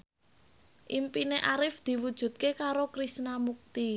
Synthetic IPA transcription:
ʔimpineʔaɾɪfd̪̥i̤wud̥ʒ̥ṳt̪̚kekaɾokɾisnamuk̚t̪i

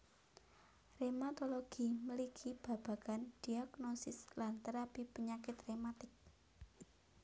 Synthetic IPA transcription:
remat̪oloɡ̥iməliɡʰib̥a̤b̥a̤kand̪̥iaɡ̥nosɪslant̪əɾapipəɲakɪt̪remat̪ɪk̚

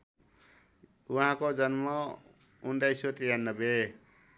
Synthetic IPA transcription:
uɦãkod͡zʌnmʌ | unɖajsot̪ijanːʌbe

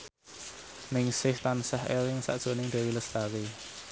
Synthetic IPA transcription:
nɪŋsɪht̪ansɛɦʔḛlɪŋsa̰ʔd̥ʒ̥o̤nɪŋd̪̥e̤wiləst̪awi

